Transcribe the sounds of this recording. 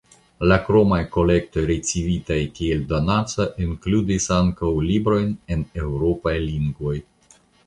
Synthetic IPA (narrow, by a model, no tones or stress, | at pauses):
lakɾo̞majko̞le̞k̚to̞jɾit͡sivitajkieldo̞nat͡saʔinkludisaŋkawlibɾo̞jne̞ne̞wɾo̞pajliŋɡvo̞j